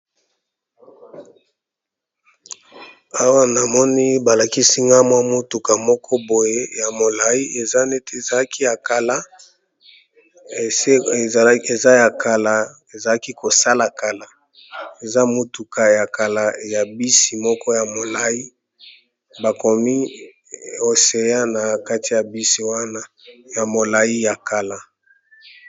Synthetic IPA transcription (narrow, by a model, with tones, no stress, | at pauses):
a˦wa˦na˨mɔ˦ni˦ba˨la˨ki˦si˦ŋɡa˦mwa˦mo˦tu˨ka˨mɔ˦kʰɔ˦bo˨je˦ja˨mo˨la˦i˦e˨za˦ne˦te˦˨za˨la˦ki˦ja˨ka˨la˦˨˦ | e˨za˦ja˨ka˨la˨ | e˨za˨la˦ki˦ko˨sa˦la˨ka˨la˦ | e˨za˦mo˨tu˨ka˨ja˨ka˨la˨ja˨bi˦si˨mɔ˦kɔ˦ja˨mo˨la˦i˦ | ba˨ko˨mi˦ | o˨se˨ja˦na˨ka˦ti˨ja˨bi˦si˨wa˦na˦ | ja˨mo˨la˨ji˦ja˨ka˨la˦